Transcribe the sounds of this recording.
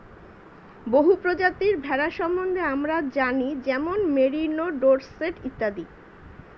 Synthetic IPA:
boɦupɾod͡ʑat̪iɾbʱɛɾaʃɔmbond̪ʱeamɾad͡ʑanid͡ʑɛmonmeɾinoɖoɾseʈit̪ːad̪i

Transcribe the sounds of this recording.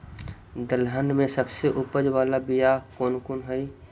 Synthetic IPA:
d̪əlɦənmẽsəbseʔupəd͡ʒʋaːlabijakoːnkonɦəi

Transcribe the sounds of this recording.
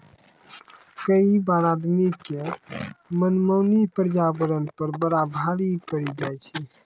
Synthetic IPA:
kəibaːɾaːd̪mike | mənməːnipəɾd͡ʒabəɾənpəɾbəɾabʱaɽipəɽid͡ʒaːjt͡ʃʰi

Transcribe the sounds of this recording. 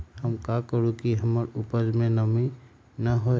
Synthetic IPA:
həmkakəɾũkiɦəməɾʊpəd͡ʒmẽnəmi | nəɦo

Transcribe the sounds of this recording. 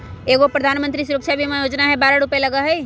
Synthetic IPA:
eːɡopɾəd̪ʱaːnmənt̪ɾisʊɾəkʃabʱimẽjoːd͡ʒnaɦɛbaːɾaɽʊpeləɡaɦɛj

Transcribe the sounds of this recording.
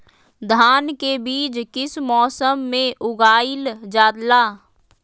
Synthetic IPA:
d̪ʱaːnkebiːd͡ʒkɪsmɔːsəmːẽʔʊɡaːɪld͡ʒaːd̪laː

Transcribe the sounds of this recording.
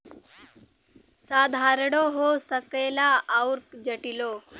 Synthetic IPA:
sad̪ʱaɾɽ̃oɦosəkəjlaawɾkd͡ʑəʈilo

